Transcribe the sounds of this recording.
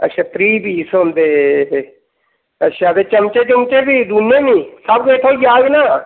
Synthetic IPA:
ə̰ʃʰaːt̪ɾiːbiːsond̪eː | əʃʰaːd̪eːt͡ʃəmt͡ʃeːt͡ʃəmt͡ʃeːbiːd̪unjeːnĩːsəbɡeːʈ̪ʰõːjaːɡnaː

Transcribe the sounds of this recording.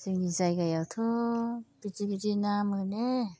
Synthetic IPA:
z̥ɯŋizajɡajawtʰɔb̥iziɡidinamɯne

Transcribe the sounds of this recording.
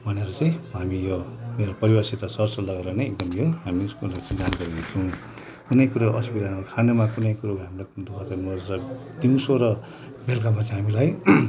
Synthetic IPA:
bʱʌneɾʌt͡saj̃ɦamijomeɾopʌɾibasit̪asʌrsʌlʌɡaɾʌnʌek̚d̪ʌmjoɦamiskolat͡sʌ̃d͡zanɡʌɾid̪et͡sʰʌw̃ | kunʌjkuɾoʔʌspid̪anokʰanomakunʌjkuɾoɡɦamiɾaknud̪ʱubʱat̪ʌnod͡zɾʌ | d̪iwsoɾʌ | belkamat͡sãɦamilaj

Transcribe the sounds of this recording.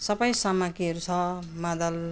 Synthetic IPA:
sʌbʌjsamakiʌɾut͡sʰʌmad̪ʌl

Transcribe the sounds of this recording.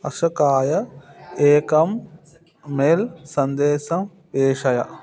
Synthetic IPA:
ɐ̰ʂɐkaːjɐeːkɐmː | elsɐnd̪eːsɐm | peːʂɐjɐ̰

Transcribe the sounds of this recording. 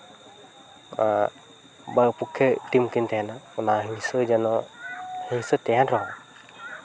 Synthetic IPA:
a | bapukʰːɛʈimkint̪ɛɦanaɔnaɦisɔd͡ʒanɔhisɔt̪ɛɦanɾɔɦɔ̃

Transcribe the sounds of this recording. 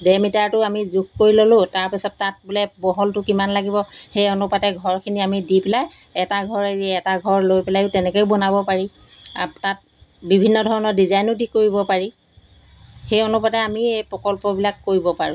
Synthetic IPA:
dɛmitaɹtʊamizuɡkoɹilolʊ̃taɹpisɔt̚ːat̚bulɛbɔɦɔltʊkimanlaɡibɔxejɔnupatɛɡʱɔɹkʰiniamidipɛlajɛtaɡʱɔɹeɹiɛtaɡʱɔɹlojpɛlajʊtɛnɛkeʊbɔnabɔpaɹi | a̰tat̚ | bibʱinːɔdʱɔɹɔnɔɹdizajnʊdikoɹibɔpaɹi | xejɔnupatɛamiejpɹɔkɔlpɔbilakːoɹibɔpaɹʊ̰̃

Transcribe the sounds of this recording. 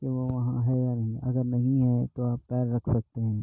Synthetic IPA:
keʋoʋɐɦãɦɛjanɐɦĩʔɐɡəɾnɐɦĩɦɛt̪oaːpːɛːɾːɐkʰsɐk̚t̪eɦɛ̃ː

